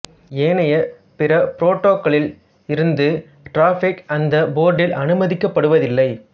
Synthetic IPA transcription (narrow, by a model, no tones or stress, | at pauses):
eːnɐjɐ | pɪɾɐpɪɾoːʈːoːkːɐɭɪl | ɪɾɯnd̪ɯ | ʈɾaːfɪkɐnd̪ɐboːɾɖɪlʔɐnɯmɐðɪkːɐpːɐɽɯʋɐðɪlːɐɪ